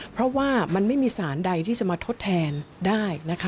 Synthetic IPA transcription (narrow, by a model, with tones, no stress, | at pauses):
pʰɾɔ˦˥waː˥˩ma˧nma˥˩jmiː˧saː˩˦nda˧jt̪ʰiː˥˩t͡ɕa˨˩ʔmaː˧t̪ʰo˦˥t̪ʰːɛː˧ndaː˥˩jna˦˥kʰa˦˥